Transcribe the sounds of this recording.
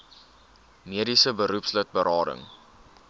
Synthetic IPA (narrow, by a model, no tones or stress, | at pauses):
miədisəbəɾupslət̚bəɾɑːɾə̰ŋ